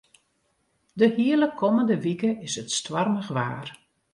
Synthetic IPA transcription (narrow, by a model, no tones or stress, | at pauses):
dəhiələkʰɔməndəʋikəɪsətstʋarməɣʋa̰ːr